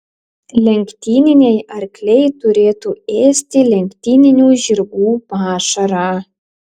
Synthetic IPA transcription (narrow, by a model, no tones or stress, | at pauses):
lʲɛŋʲkt̪ʲiːnʲɪnʲejɐɾklʲejt̪uɾʲeːt̪ueːsʲt̪ʲɪlʲɛŋʲkt̪ʲiːnʲɪnʲuʒʲiɾɡuːpɑːʃɐɾɑ